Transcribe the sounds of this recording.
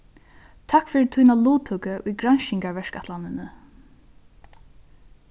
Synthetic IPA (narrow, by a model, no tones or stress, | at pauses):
t̪ʰakfɪɾt̪ʰunaluːt̪ʰʊkəʔujɡɾanʃɪŋkaɹvɛʂkat̪lanɪnə